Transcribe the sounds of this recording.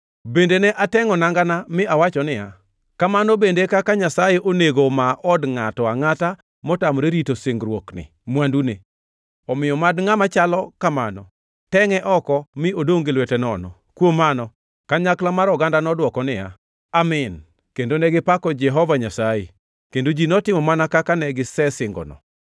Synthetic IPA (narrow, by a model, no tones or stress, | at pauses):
bendenɛʔatɛŋɔnaŋɡanamɪawat͡ʃɔnɪja̰ | kamanɔbendekakaɲasajeʔoneɡomaʔɔdŋatɔaŋata | mɔtamɾeɾitosɪŋɡɾwoknɪ̰ | mwandune | ɔmɪjɔmadŋamat͡ʃalɔkamanɔ̰ | tɛŋɛʔɔkɔmɪodoŋɡelwetɛnɔ̰nɔ̰ | kwomanɔ | kaɲaklamaɾɔɡandanɔdwɔkɔnɪa̰ | amɪn | kendonɛɡɪpakɔd͡ʒɛɦɔvaɲasajḛ | kendod͡ʒinɔtɪmɔmanakakanɛɡɪsɛsɪŋɡɔ̰nɔ̰